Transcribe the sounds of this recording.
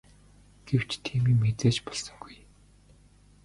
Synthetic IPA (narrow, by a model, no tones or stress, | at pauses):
ɡ̥ew̥t͡ɕt̪ʰiːmiːmet͡seːt͡ɕpɔɮsə̆ŋɡuj